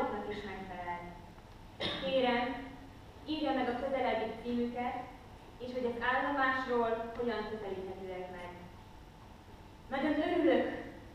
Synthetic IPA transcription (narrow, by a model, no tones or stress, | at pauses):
t̪nɒkiʃmɛkfɛlɛlni | keːɾɛm | iːrjɒmɛɡɒkø̞zɛlɛd̪it̪siːmykɛt̪ | eːʃɦo̞ɟɒzaːlːo̞maːʃroːlho̞ɟɒŋkøzɛliːt̪hɛt̪øːɛkmɛɡ | mɛdɒzøɾyløk